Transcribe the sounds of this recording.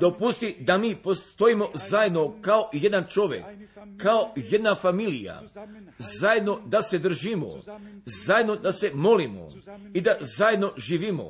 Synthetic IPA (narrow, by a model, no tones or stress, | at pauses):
d̪o̞pust̪id̪amiːpost̪o̞imo̞zajed̪no̞kao̞je̞d̪ant͡ʃo̞ʋje̞̰kːao̞je̞d̪nafamilija̰ | zajed̪no̞d̪ase̞d̪r̩ʒimo̰zajed̪no̞d̪ase̞mo̞limo̰id̪azajed̪no̞ʒiːʋimo̞̰